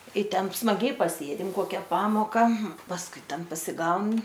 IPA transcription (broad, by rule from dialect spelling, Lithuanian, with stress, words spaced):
ɪ ˈtʲɛn smɐˈɡʲɛɪ pɐˈsʲeːdʲɪm ˈkoːkʲɛ ˈpɑːmoːkɐ pɐsˈkʊɪ ˈtʲɛn pɐsʲɪˈɡɐʊn